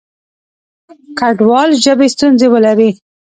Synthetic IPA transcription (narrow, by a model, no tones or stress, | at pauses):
kaɖwɑlʒəbest̪unzewəlaɾi